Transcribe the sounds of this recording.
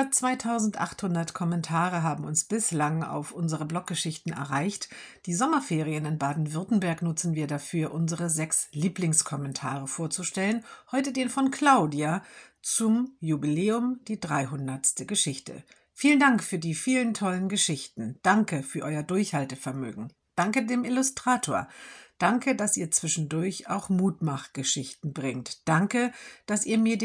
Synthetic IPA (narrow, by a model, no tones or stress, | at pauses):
ɐt͡sv̥aɪtʰaʊzn̩tʔa̰χthʊndɐtkʰɔmɛntʰaːʁ̞əɦaːbm̩ʊnsb̥ɪslaŋa̰ʊfʔʊnzəʁəblɔk̚ɡ̥əʃɪçtn̩ɛ̰ɐʁaɪçtd̥iːzɔmɐfeːʁ̞iənɪnbaːdn̩vʏɐtn̩bɛɐknʊt͡sn̩viːɐdafyːɐʔʊnzəʁəzɛksliːplɪŋskʰɔmɛntʰa̰ːʁ̞əfoːɐt͡suʃtɛlənhɔʏtədeːnfɔnkʰl̥aʊdiat͡sʊmjubileːʊmd̥iːdʁaɪɦʊndɐtstəɡəʃɪçtʰə̰ | fiːləndaŋkfyːɐdiːfiːləntʰɔlənɡəʃɪçtn̩d̥aŋkəfyːɐʔɔʏɐdʊɐçhaltəfɛɐmø̰ːɡŋ̩ | d̥aŋkədeːmɪlʊstʁ̥aːtʰoːɐd̥aŋkədasʔiːɐt͡sv̥ɪʃn̩dʊɐça̰ʊxmuːtmaχtɡ̥əʃɪçtn̩bʁɪŋtd̥aŋkəd̥asiːɐmiːɐd